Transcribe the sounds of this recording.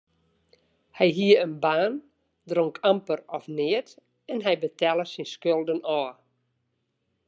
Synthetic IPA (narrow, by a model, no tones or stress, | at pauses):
hɛjɦiəənbaːn | droŋkʰampərɔfnɪət | ɛnɦɛjbətʰɛlˠəsinskølˠdənɔː